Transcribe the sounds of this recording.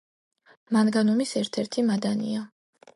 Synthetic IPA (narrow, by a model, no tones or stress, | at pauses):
manɡanɔmisɛɾt̪ʰɛɾt̪ʰimad̪anḭa